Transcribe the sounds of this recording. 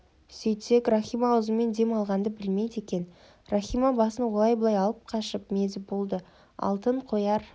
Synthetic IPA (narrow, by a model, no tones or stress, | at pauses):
sɵjt̪se̞kraχʲijmawəzəme̞nd̪e̞mɑlˠʁɑnd̪əbɪlme̞jd̪e̞kʲe̞n | raχʲijmabɑsənwo̞lˠɑjbəlˠɑjɑlˠəp̚qʰɑʃəpme̞zɪbo̞lˠd̪ə | ɑ̰lˠt̪əɴqʰo̞jɑɾ